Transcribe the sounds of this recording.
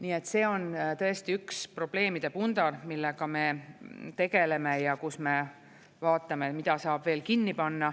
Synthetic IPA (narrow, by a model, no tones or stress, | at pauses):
niːe̞t̪ːse̞ːo̞nt̪ɤ̞e̞st̪iykspro̞b̥le̞ːmid̪̥e̞pund̪ɑrmilːekɑme̞t̪e̞ɡe̞le̞me̞jɑkusme̞ | vɑːt̪ːˑɑmet̪mid̪̥ɑsɑːb̥ve̞ːlkinːipɑnːɑ